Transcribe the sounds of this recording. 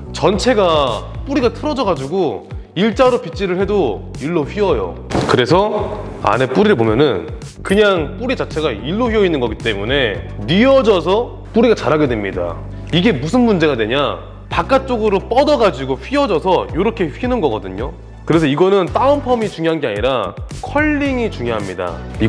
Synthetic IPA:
t͡ɕʌnt͡ɕʰe̞ɡap͈uɾiɡatʰɯɾʌd͡ʑʌɡad͡ʑuɡo | iɭt͡ɕ͈aɾopit͡ɕ͈iɾɯɭhe̞do | iɭːoɸɥiʌjo̰ | kɯɾe̞sʰʌ | a̰ne̞p͈uɾiɾɯɭpomjʌnɯn | kɯɲaŋp͈uɾit͡ɕat͡ɕʰe̞ɡaiɭːoɸɥiʌinːɯnɡʌɡit͈e̞mune̞niʌd͡ʑʌs̬ʰʌ | p͈uɾiɡat͡ɕaɾɦaɡedwe̞mɲida̰ | iɡe̞musʰɯnmund͡ʑe̞ɡadwe̞ɲa | pak͈at̚t͡ɕ͈oɡɯɾop͈ʌdʌɡad͡ʑiɡoɸiʌd͡ʑʌsʰʌjoɾʌkʰe̞ɸinɯnɡʌɡʌdɯɲo | kɯɾe̞sʰʌiɡʌnɯnt͈aɯmpʰʌmit͡ɕuŋjoɦanɡeaɲiɾakʰʌʎːiŋit͡ɕuŋjoɦamɲida̰i

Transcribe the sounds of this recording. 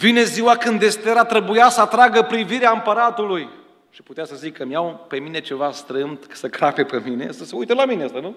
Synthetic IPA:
vine̞ziwakɨnd̪e̞st̪eɾat̪ɾe̞bujasəat̪ɾaɡəpɾiviɾeaɨmpəɾat̪uluj | ʃi̥put̪easəzikʰːəmjawpe̞mine̞t͡ʃe̞vast̪ɾɨmd̪kḁsəkɾape̞pemine̞̰səsəujt̪əlamineast̪anu

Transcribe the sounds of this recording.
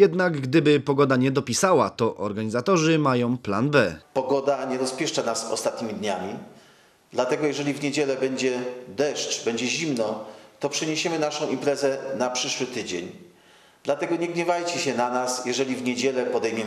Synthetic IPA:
jɛd̪naɡɡd̪ɘbɘpɔɡɔd̪aɲɛd̪ɔpʲisawat̪ɔʔɔɾɡaɲizat̪ɔʐɘmajɔ̃w̃planbɛpɔɡɔd̪aɲɛɾɔspʲjɛʂt͡ʂanasɔ̰st̪at̪̚ɲʲimʲid̪ɲamʲi | d̪lat̪ɛɡɔjɛʐɛlʲivɲed͡ʑɛlɛbɛɲd͡ʑɛd̪ɛʂt͡ʂbɛɲd͡ʑɛʑimnɔt̪ɔpʂɛɲeɕɛmɘnaʂɔ̃w̃impɾɛzɛnapʂɘʂwɘt̪ɘd͡ʑḛɲ | d̪̥lat̪ɛɡɔɲɛɡɲɛvajt͡ɕɛɕɛnanasjɛʐɛlʲivɲed͡ʑɛlɛpɔd̪ɛjmʲɛ

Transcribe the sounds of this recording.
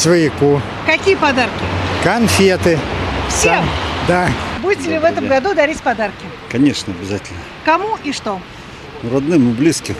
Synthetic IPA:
svəjɪku | kɐkʲijəpɐd̪arkʲɪkɐnfʲet̪ɨsamd̪abudʲɪtʲɪlʲɪvɛt̪əmɡɐd̪ud̪ɐɾʲisʲpɐd̪arkʲɪ | kɐnʲeʂnəɐbʲɪzatʲɪlʲnə | kɐmuʔiʂt̪o | nuɾɐd̪nɨmɨblʲiskʲɪ

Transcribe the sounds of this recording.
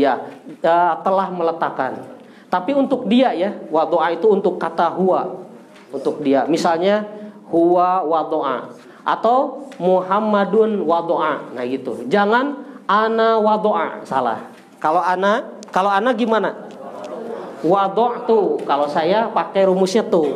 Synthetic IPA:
jaət̪əlahmələt̪aka̰n | t̪apiunt̪ʊk̚diajawad̪ɔʔait̪uːnt̪ʊkːat̪aɦua | unt̪ʊk̚diamisalɲa | huawad̪ɔʔa̰ | ʔa̰t̪awmuɦamadʊnwad̪oʔanahɡit̪ṵd͡ʒaŋananawad̪oʔa̰sa̰la̰h | kaloana | kaloanaɡimana | wad̪ɔʔt̪ukalosajapakɛjɾumʊsɲat̪u

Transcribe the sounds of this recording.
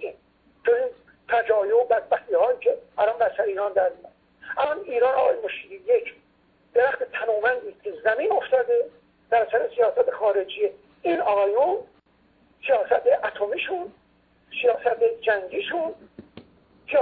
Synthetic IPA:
iːn | t̪ʰoiːn | t̪ʰæd͡ʒɒːjobæd̪̚bæxt̪iːhɒːiːcʰeælɒnbæɾsæɾeiːɾɒːnd̪æɾmijɒd̪ | ælɒniːɾɒːnɒːɒ̰ːjemoʃiːd̪iːjekʰ | d̪̥e̞ɾæxt̪et̪ʰæmuːmænd̪iːst̪kʰʲezæmiːnoft̪ɒːd̪e | b̪̥æɾsæɾesijɒːsæt̪ʰexɒːɾe̞d͡ʒije | iːnɒɣɒːjun | sijɒːsæt̪ʰeʔæt̪ʰomiːʃun | sijɒːsæt̪ʰed͡ʒæŋɡiːʃun | s

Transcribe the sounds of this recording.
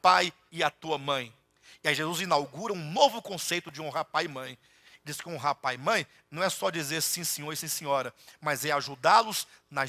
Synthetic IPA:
paj | ɪat̪uɐmɐ̃j̃ | ɪaiʒezuzĩnawɡuɾɐũnovʊkõsejt̪ʊd͡ʒɪũɦapajɪmɐ̃j̃ | ɪd͡ʒiskɪũɦapamɐ̃j̃ | nɐ̃w̃ɛsɔd͡ʒizeɾsĩsĩɲoɾisĩsĩɲɔɾɐmazɛaʒud̪alʊz̥nɐ

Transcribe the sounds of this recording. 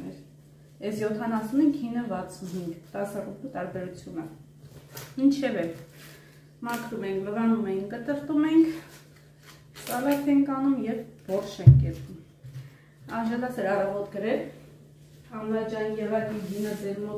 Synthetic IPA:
ɛ̰ɾ | ɛsjɔt̪ʰɑnɑsuniŋɡɦinːəvɑt͡sʰunɦiŋɡt̪ɑsɑrup̪ut̪ɑɾbɛɾut͡sʰjunə | mint͡ʃʰɛvɛ | mɑkʰɾumɛjiŋkʰləʁɑnumɛjinkət̪əɾt̪umɛiŋkʰ | t͡sɑvɛt͡sʰɛŋkʰɑnumjɛp̚v̥ɔχʃɛŋkʰkɛpum | ɑnʒɑd̪ɑsɛɾɑrɑvɔt̪ɡəɾɛl | ɑmɾɑd͡ʒɑjinjɛvɑkinɡinəd͡zɛɾmɔ

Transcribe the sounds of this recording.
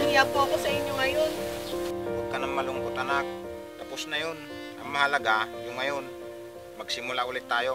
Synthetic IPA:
ʊŋjapoɐko̞sɐʔɪɲjoŋɐjon | wɐɡ̚kɐnɐŋmɐloŋkot̪ʔɐnak̚ | t̪aposnɐjon | ʔɐŋmɐhalɐɡajʊŋːɐjo̞n | mɐɡ̚sɪmʊlaʔuːlɪt̪ːaːjo̞

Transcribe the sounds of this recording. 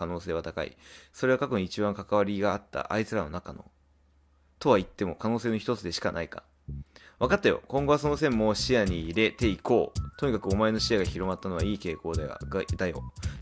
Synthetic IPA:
ano̞ːseːβat̪aka̰ḭso̞ɾe̞βakakoɲit͡ɕibãŋkakaβaɾʲiɡaːt̪ːa̰ʔait͡sɨɾano̞nakano̞̰ | t̪o̞βait̪ːe̞mo̞kano̞ːseːno̞çi̥t̪o̞t͡sɨd̪e̞ɕi̥kanaika̰ | βakat̪ːajo̞̰kõ̞ŋɡo̞βaso̞nos̬ẽ̞mːoːɕijaɲ̟iːɾe̞t̪e̞iko̞ːt̪o̞ɲ̟ikakɯ̟o̞mae̞no̞ɕijaɡaçiɾo̞mat̪ːano̞βaiːke̞ːko̞ːd̪aa̰ɡad̪ajo̞̰

